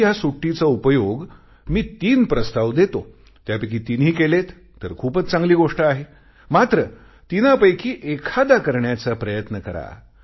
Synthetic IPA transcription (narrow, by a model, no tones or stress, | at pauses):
jasuʈːit͡səupəjoɡ | miːt̪iːnpɾəst̪aʋd̪et̪o | t̪japekiːt̪inɦiːkelet̪ː | əɾkʰuːpət͡st͡sãŋɡliːɡoʂʈəaɦe | mat̪ɾə | t̪inapəjkiːʔekʰad̪akəɾɳjat͡səpɾəjət̪nəkəɾa̰